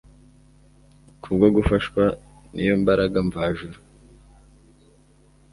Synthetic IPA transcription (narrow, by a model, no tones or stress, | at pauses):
kʰubɡoɡufaʃkwa | nʔijombaɾaɡaɱvaʒuɾu